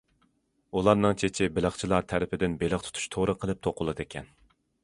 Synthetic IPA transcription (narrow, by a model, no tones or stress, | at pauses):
ulˠɑɾnɨŋt͡ʃʰet͡ʃʰɪbɪlˠəχt͡ʃʰilˠɑɾt̪ʰæɾɪpʰɪd̪ɪnbelɪχt̪ʰu̥t̪ʰu̥ʃt̪ʰoɾəqʰəlˠɨp̚t̪ʰoqʰʊlˠɨd̪ekʲʰɛn